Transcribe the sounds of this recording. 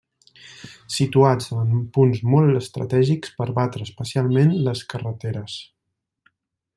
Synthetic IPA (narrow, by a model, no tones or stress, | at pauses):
sit̪uad͡zəmpunzmɔlˠtəst̪ɾə̰t̪ɛʒikspəɾβat̪ɾəːspəsialˠmenləskərət̪eɾəs